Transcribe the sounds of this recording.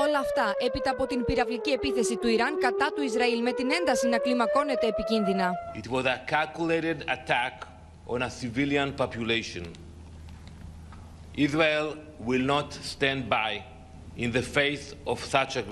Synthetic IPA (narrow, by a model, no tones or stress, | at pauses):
o̞lɐːft̪ɐʔe̞pit̪ɐːpo̞t̪inpiɾɐvlicie̞piθe̞sit̪uiɾɐŋkɐt̪ɐt̪uizɾɐilme̞t̪ine̞nd̪ɐsinɐklimɐko̞ne̞t̪e̞ːpicinðinɐitwɔzakalkulejɾeda̰tæk | ʔɔ̃nasiviljãnpɔpjuleʃɔ̃n | ʔizɹal | wilnɔtst̪ɛ̃nd̚baj | ĩnðəfejsɔv̥sat͡ʃa